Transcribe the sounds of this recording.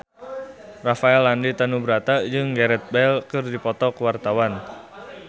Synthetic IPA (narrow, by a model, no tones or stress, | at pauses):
rafaɛlːandit̪anubəɾat̪ad͡ʒɨŋɡaɾɛt̪̚bɛlkɨrdipɔt̪ɔkəwart̪awan